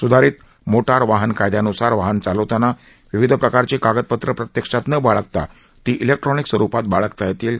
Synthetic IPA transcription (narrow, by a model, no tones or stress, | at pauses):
sud̪ʱaɾiːt̪ | moʈaɾʋaɦənkajd̪janusaɾʋaɦənt͡salət̪ana | ʋiʋid̪ʱpɾəkaɾt͡ɕiːkaɡət̪̚pət̪ɾəpɾət̪jəkʂat̪nəbaɭək̚t̪a̰ | t̪iːʔilek̚ʈɾɔniksʋəɾupat̪̚baɭəkt̪ajet̪iːl